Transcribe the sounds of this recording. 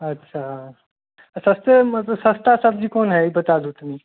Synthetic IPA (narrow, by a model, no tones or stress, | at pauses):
ətːɕʰa | səst̪əəsə̃st̪asəb̚d͡ʒikonɦɛibət̪ad̪ut̪ni